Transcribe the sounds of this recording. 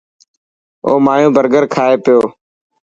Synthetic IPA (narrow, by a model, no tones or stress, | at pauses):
o̰ːmaːjũːbʱəɾɡəɾkʰaːeːpɪjoː